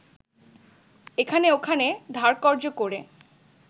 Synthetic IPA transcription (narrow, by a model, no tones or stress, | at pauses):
ekʰaneokʰaned̪ʱaɾkɔɾd͡ʑokoɾe